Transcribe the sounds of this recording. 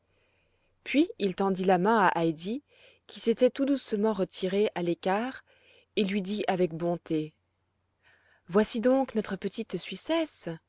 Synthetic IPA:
pɥiilt̪ɑ̃d̪ilamɛ̃aʔajd̪i | kʲʰiset̪ɛt̪ud̪usəmɑ̃ʁət̪ʰiʁeʔalekaːʁ | elɥid̪iʔavɛk̚bɔ̃t̪e | vwasid̪ɔ̃knɔt̪χəpət̪it̪sɥisɛs

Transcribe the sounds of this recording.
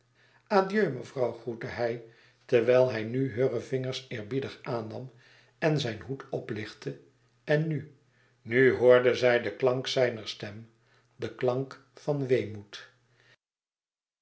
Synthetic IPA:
aːdjøɥməvrɑwχrutəɦɛj | təɹʋɛlˠɦɛjnyɦøːrəvɪŋəɹsɪːɹbidəχaːnːɑm | ɛnzɛjnɦutʰɔplɪχtʰə | ɛnːy | nyɦoːɹdəzɛjdəklɑŋksɛjnəɹstɛm | d̪əklɑŋk | fɑnʋejmut

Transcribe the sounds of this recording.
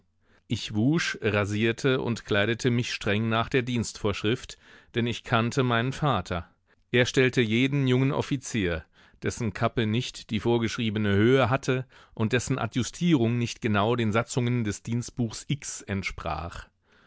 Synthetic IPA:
ʔɪçvuːʃʁaziːɐtʰəʔʊ̰ntkʰl̥aɪdətʰəmɪçʃtʁ̥ɛŋnaːχd̥eːɐdiːnstfoːɐʃʁ̥ɪftd̥ɛnɪçkʰantʰəmaɪnənfaːtʰɐ | ʔeːɐʃtɛltəjeːdn̩jʊŋənʔɔ̰fit͡siːɐ | d̥ɛsn̩kʰapənɪçtd̥iːfoːɐɡəʃʁ̥iːbənəhøːəɦatʰə | ʔʊnt̚d̥ɛsn̩ʔa̰tjʊstʰiːʁʊŋnɪçtɡ̥ənaʊdeːnzat͡sʊŋəndɛsd̥iːnst̚b̥uːxsʔɪksɛntʃpʁ̥a̰ːχ

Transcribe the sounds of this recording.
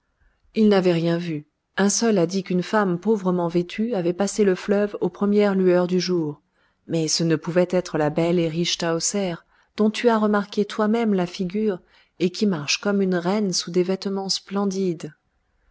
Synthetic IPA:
ilnavɛʁjɛ̃vy | ɛ̃sœlad̪ikynfampovʁəmɑ̃vet̪ʰyavɛpaseləflœvopχəmjɛʁlyœʁd̪yʒuːʁ | mɛsənəpuvɛt̪ɛt̪χəlabɛleʁiʃt̪aɔsɛʁ | d̪̥ɔ̃t̪yaʁəmaʁket̪wamɛmlafiɡʲyːʁ | ekʲimaʁʃkɔmynʁɛnsud̪evɛt̪mɑ̃splɑ̃d̪id̪

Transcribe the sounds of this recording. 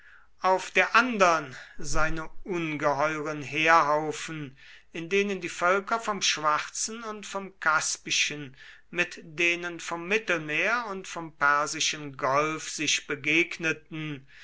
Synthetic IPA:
ʔaʊfd̥eːɐʔandɐənzaɪnəʔʊnɡəɦɔʏʁənheːɐɦaʊfn̩ | ɪndeːnəndiːfœlkɐfɔmʃv̥aχt͡sn̩ʊntfɔmkʰaspɪʃən | mɪtd̥eːnənfɔmːɪtl̩meːɐʊntfɔmpɛɐzɪʃənɡɔlfz̥ɪʃb̥əɡeːknətn̩

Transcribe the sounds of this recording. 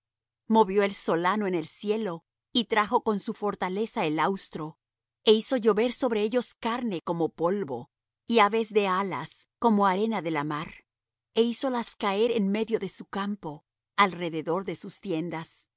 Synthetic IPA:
mo̞βjo̞elso̞lanoene̞lsje̞lo̞ | it̪ɾaxo̞ko̞nsufo̞ɾt̪ale̞sae̞lawst̪ɾo̞ | e̞iso̞ʝo̞βe̞ɾso̞βɾeeʝo̞skaɾne̞ko̞mo̞po̞lβo̞̰ | iaβe̞zðe̞ala̰sko̞mo̞aɾe̞naðe̞lamaɾ | e̞iso̞laskae̞ɾenme̞ðjo̞ðe̞sukampo̞ | alre̞ðe̞ðo̞ɾðe̞sust̪je̞nd̪as

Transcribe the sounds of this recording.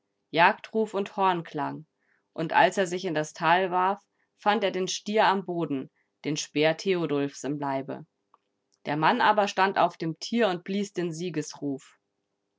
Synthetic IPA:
jaːktʁ̥uːfʊnthɔɐnkʰl̥a̰ŋ | ʔʊntʔa̰lseːɐzɪçɪndastʰaːlvaɐfː | anteːɐdeːnʃtiːɐamboːdn̩ | d̥eːnʃb̥eːɐtʰeodɔlfsɪmlaɪbə̰ | d̥eːɐmanʔaːbɐʃtanta̰ʊfd̥eːmtʰiːɐʊnt̚b̥liːsd̥eːnziːɡəsʁuːf

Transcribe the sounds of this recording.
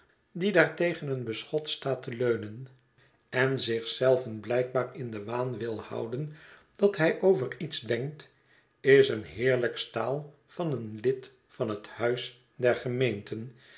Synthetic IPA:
didaːɹtejχənənbəsχɔtstaːtəløɥnən | ɛnzɪχsɛlˠvənblɛjk̚baːɹɪndəʋaːnʋɪlˠhʌ̰wdən | d̥ɑtɦɛjʔowvəritzdɛŋkt | ɪsənɦɪːɹləkstaːlˠ | fɑnənlɪt | fɑnɦəthœɥs | dɛɹχəmejntʰən

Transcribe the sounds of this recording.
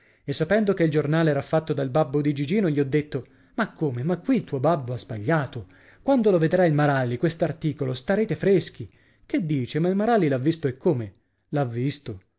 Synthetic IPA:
esːapɛnd̪okeild͡ʒornaːleɛɾafːat̪ːod̪albabːod̪id͡ʒid͡ʒiːnoʎiɔd̪ːet̪ːo | makʰːoːmemakːwilt̪uːobabːoazbaʎːaːt̪o | kwand̪oloved̪ɾailmaɾalːikwest̪oart̪iːkolost̪aɾeːt̪efɾesk̟i | ked̪ːiːt͡ʃemailmaɾalːilavːist̪oekʰːome | lavːist̪o

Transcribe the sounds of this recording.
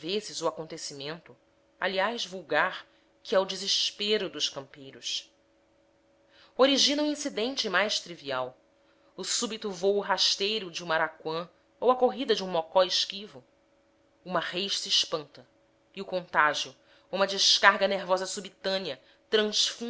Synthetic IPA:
vezɪzʊakõnt̪esimẽnt̪ʊ | a̰liajzvuwɡaɾ | kʰiɛʊd͡ʒizɪʃpeɾʊd̪ʊʃkɐ̃mpejɾʊʃ | oɾiʒĩnɐuĩsid̪ẽnt͡ʃɪmajʃt̪ɾiviaw | ʊsubit̪ʊvowʊɦaʃt̪ejɾʊd͡ʒɪũmaɾakwɐ̃ | owɐkoɦid̪ɐd͡ʒɪũmɔkɔɪʃkivʊ | ũmɐʁejʃsiːʃpɐ̃nt̪ɐ | iʊkõnt̪aʒijʊ | ũmɐd͡ʒɪʃkaɦɡɐneɾvɔzɐsubit̪ɐ̃niɐ | t̪ɾɐ̃ʃfũ

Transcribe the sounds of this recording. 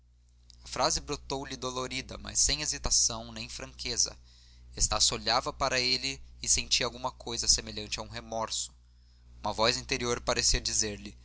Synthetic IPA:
ɐfɾazɪbɾot̪owlɪd̪oloɾid̪ɐ̰ma̰sːẽj̃ezit̪asɐ̃w̃nẽj̃fɾɐ̃ŋkʰezɐ̰ | est̪asoʎavɐpaɾɐelɪːsẽnt͡ʃiawɡũmɐkojzɐsemeʎɐ̃nt͡ʃɪɐũɦemɔɾsʊ̥ | ũmɐvɔzĩnt̪eɾioɾpaɾesiɐd͡ʒizeɾlɪ

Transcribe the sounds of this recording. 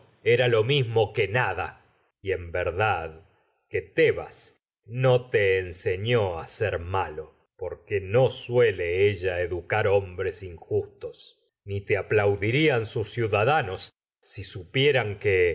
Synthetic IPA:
eɾalo̞mizmo̞kenaða | iembeɾðað | ket̪eβa̰s | no̞t̪eːnseɲoaseɾmalo | poɾkeno̞sweleeʒaeðukaɾo̞mbɾesiŋxust̪os | nit̪eaplawðiɾiansusːjuðaðanosː | isupjeɾaŋke

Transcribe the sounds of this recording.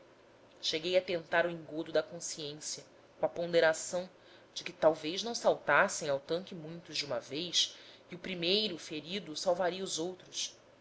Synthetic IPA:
ʃeɡejɐt̪ẽnt̪aɾʊĩŋɡod̪ʊd̪ɐkõsiẽsjɐ | kõɐpõd̪eɾasɐ̃w̃ | d͡ʒɪkɪt̪awveznɐ̃w̃sawt̪asẽj̃awt̪ɐ̃ŋkɪmũj̃t̪ʊzd͡ʒɪũmɐvejsɪʊpɾimejɾʊfeɾid̪ʊsawvaɾiɐuzowt̪ɾʊs

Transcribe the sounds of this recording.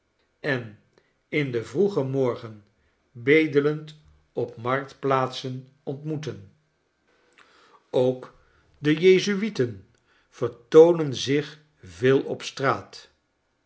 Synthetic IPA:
ɛn | ɪndəvruχəmɔɹχən | bejdələnt | ɔpmɑɹk̚tplaːtsən | ɔntmutən | owk | dəjejzyitən | v̥əɹtownənzɪχ | vɪːlˠɔ̰pstraːt

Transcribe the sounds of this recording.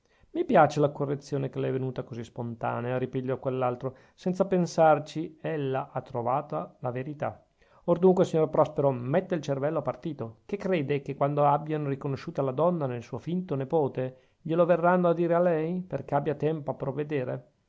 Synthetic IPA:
mipjaːt͡ʃelakorːet̪sːjoːnekelɛɛvːenuːt̪akozispont̪a̰ːneaɾipiʎːɔkwelːalt̪ɾo | sɛnt̪sapensart͡ʃielːaʔat̪ːɾovaːt̪alaveɾit̪a̰ | ord̪uŋkwesiɲːorpɾɔspeɾomɛt̪ːeilt͡ʃervɛlːoapart̪iːt̪okekːɾeːd̪ekekːwand̪oabjanorikonoʃːuːt̪alad̪ɔnːanelsuːofint̪onepoːt̪e | ʎeloverːanːoad̪ːiːɾealɛjperk̟eabːjat̪ɛmpoapːɾovːed̪eːɾḛ

